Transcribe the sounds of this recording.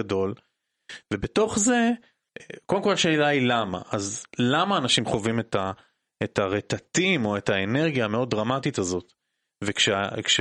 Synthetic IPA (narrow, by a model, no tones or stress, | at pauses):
ado̞l | vebeto̞χze̞ | kodemkolaʃe̞ːlailama̰ʔazlamaːnaʃimχo̞vimeta | etaʁet̪atimo̞etaene̞ʁɡjame̞o̞d̚ʁamatitazo̞t | vekʃekʃ